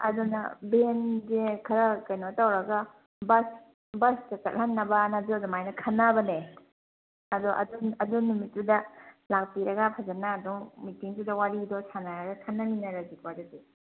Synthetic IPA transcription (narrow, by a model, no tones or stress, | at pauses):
ɐ̰dunɐ̰benzekʰɐɾɐkɐjnotawɾɐɡɐ | bɐs | bɐstɐt͡ʃɐt̚hanːɐbɐnaduɐdɔmajnɐkʰɐnːɐbɐne | ɐdɔʔɐ̰dunɐdunːumitːudɐlak̚piɾɐɡɐpʰazanaːdɔŋmitiŋtudɐwaɾidɔsanaɾɐɡɐkʰɐnːɐminɐɾɐzikwadadi